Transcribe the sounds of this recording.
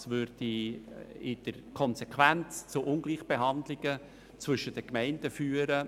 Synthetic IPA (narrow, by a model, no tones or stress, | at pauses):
sʋʏɾd̥i | ɪd̥əɾkʰɔnsekʰʋænt͡st͡sʊʔʊnɡliːχb̥eɦɑndlɪɡ̥ə | t͡svʏʃəd̥əkmɛɪndəfyːəɾə